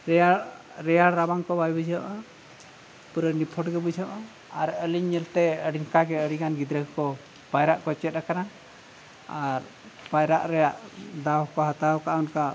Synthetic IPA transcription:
ɾa | ɾɛjaɽɾabaŋkɔbajbud͡ʒʱɔʔə | puɾənipʰɔʈɡɛbud͡ʒʱɔʔə | aɾəliɲːɛlt̪ɛəɽinkaɡɛəɽiɡanɡid̪ɾəɡkɔ | pajɾaʔkɔt͡ʃɛt̪̚ɾakana | aɾ | pajɾaʔɾɛjaʔd̪awkɔɦat̪awkaʔunka

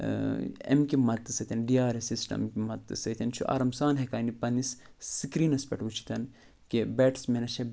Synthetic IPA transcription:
ḛmkimɐt̪ːɨsɐt̪ʰɐnɖijaːɾesisʈɐ̰mkimɐt̪ːɨsɐt̪ʰʲɐnt͡ʃʰuʔa̰ɾɐmsaːnɦekaːnipɐnisː | ikɾiːnɐspeʈut͡ʃʰi̥t̪ɐn | kebeːʈsmenɐt͡ʃʰɐ

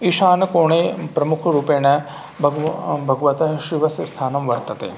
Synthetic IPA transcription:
iʃaːnɐkoːɳeːpɾɐmukʰɐɾuːpeːnɐ | bʱɐɡbʱɐɡɐʋɐt̪ɐɦʃiʋɐsɐst̪ʰaːnɐmʋɐɾt̪ɐt̪ḛː

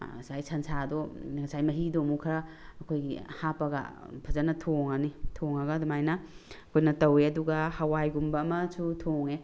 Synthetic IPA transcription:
sajsɐnsʰadoɡɐsajmɐɦidomukʰɐɾɐːkʰojɡḭhapɐɡɐ̰pʰɐzanɐtʰoŋanitʰoŋɐɡɐdumajnɐɐkʰojnɐtɐweɐduɡɐhawajɡumbɐːmɐsutʰoŋe

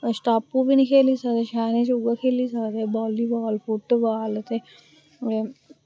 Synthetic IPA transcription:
sʈaːpːubʱinikʰeːlisɐt̪eʃaːnet͡ʃuɡəkʰeːlisat̪ebɔːlibɔːlfuʈːbaːlt̪e | e

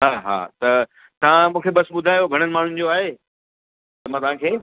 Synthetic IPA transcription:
ɦaːɦa̰ːt̪ɐ | t̪ɐʋ̤ãmũːkʰebɐsbʊd̪ʱaːjoɡʱɐɽ̃ənɪ̆maːɳ̤ʊnɪ̆d͡ʑoaːɦe | t̪ɐmãt̪ɐʋ̤ãkʰeː

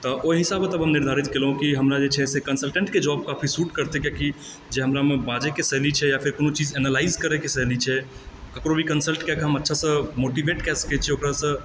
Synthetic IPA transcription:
t̪ɔʔoɦisabət̪əbʱɦəmniɾd̪ʱaɾit̪kelɦũkiɦəmɾad͡ʒet͡ʃʰɛsekənsəlʈə̃ɳʈked͡ʒɔb̚kapʰisuʈkəɾt̪ekjaki | d͡ʒeɦəmɾamebãd͡ʒekesəɦlit͡ʃʰɛjapʰiɾkonot͡ʃid͡ʒɛnəlaizkəɾɛkesəɦlit͡ʃʰɛ | kəkɾobʱikənsəlʈkɛkɦəmətːʃʰasə̃moʈibeʈkɛsə̥kɛt͡ʃʰɛokɾasə̃

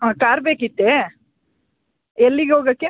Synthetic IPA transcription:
akaːɾbeːkit̪ːe | ɛlːiɡeɦoːɡɐkːe

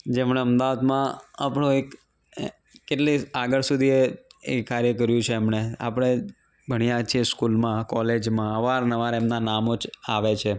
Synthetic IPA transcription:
d͡ʒemɳeəmd̪aʋad̪mãapəɳ̃ũek | kːeʈliaɡəɭsud̪ʱieekkːaɾjəkəɾjũt͡ʃʰeːmɳea̰pəɽ̃e | bʱəɽijãt͡ʃʰieskulmãkɔled͡ʒmãəʋaɾnəʋaɾemnanamod͡ʒaʋet͡ʃʰe

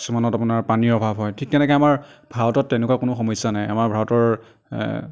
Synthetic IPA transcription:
sumanɔtapʊnaɹpaniɹɔbʱabɦɔjtʰik̚tɛnɛkɛamaɹbʱaɹɔtɔtːɛnɛkwakʊnʊxɔmɔjsanajamaɹbʱaɹɔtɔɹ

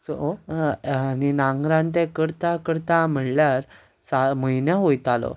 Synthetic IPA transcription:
sɔ | aninãŋɡɾãnt̪̬ɛ̃kəɾt̪akəɾt̪ãm̤əɽljaɾ | saməinjaɦojt̪alɔ̰

